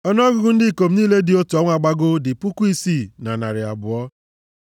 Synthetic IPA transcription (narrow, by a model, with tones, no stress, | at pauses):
ɔ˦nɔ˦ɡʊ˦ɡʊ˦n̩˦dɪ˦˨ko˨m̩˨˦niː˦le˦dɪ˨o˦tu˨ɔ˦ŋʷ˦a˨ɡ͡ba˦ɡʊ˦dɪ˨pu˦ku˦i˦si˦˨na˨na̰˨ɾɪ˨a̰˨bʊ˨ɔ˦